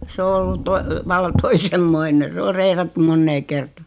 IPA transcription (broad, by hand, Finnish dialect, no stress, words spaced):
s o olːut ʋɑlːɑ toisemːoine s o reirɑtːum monːeː kertɑ